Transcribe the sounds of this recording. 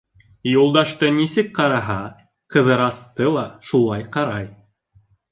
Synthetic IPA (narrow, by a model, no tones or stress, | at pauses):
julˠd̪ɑʃt̪ɤnisɘk̚qɑɾɑɦɑ | qɤ̆ðɤ̆ɾɑst̪ɤlˠɑʃulˠɑjqɑɾɑj